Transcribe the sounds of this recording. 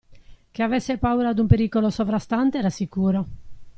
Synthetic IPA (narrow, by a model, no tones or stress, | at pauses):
k̟eavɛsːepauːɾad̪umpeɾiːkolosovɾast̪ant̪eɛɾasikuːɾo